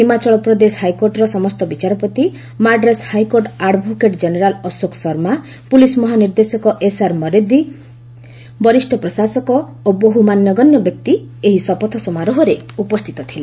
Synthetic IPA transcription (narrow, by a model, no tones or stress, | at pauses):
himat͡ʃɔɭɔpɾɔd̪esɦajkoɾʈɾɔsɔmɔst̪ɔbit͡ʃaɾɔpɔt̪i | maɖɾeshajkoɾʈaɖbʱukeʈd͡ʒeneɾalɔsoksɔɾma | pulismɔɦaniɾd̪esɔkɔʔesaɾmɔɾed̪i | bɔɾisʈʰɔpɾɔsasɔkɔ | oboɦumanjɔɡɔnjɔbjɔk̚t̪i | eɦisɔpɔt̪ʰɔsɔmaɾɔɦɔɾeupɔst̪ʰi̥t̪ɔt̪ʰile